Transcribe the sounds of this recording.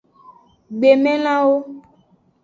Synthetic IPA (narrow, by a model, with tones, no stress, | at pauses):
ɡ͡be˨mɛ̃˦lã˦wo˦